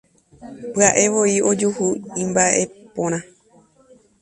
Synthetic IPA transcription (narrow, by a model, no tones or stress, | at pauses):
pɨaʔe̞ʋo̞io̞d͡ʒuhuĩmbaʔe̞põɾ̃ã